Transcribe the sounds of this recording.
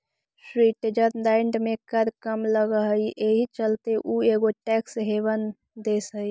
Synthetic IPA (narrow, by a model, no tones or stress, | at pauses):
sɾiʈed͡ʒəɾd̪aɪɳɖmẽkəɾkəmləɡəɦəiʔeɦit͡ʃəlt̪eʔuːeːɡoʈɛːksɦeːbən | d̪esəi